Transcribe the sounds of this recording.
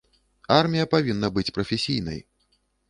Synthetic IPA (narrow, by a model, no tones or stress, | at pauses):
armʲijɐpavʲinːɐbɨt͡sʲpɾɐfʲesʲijnɐ̰j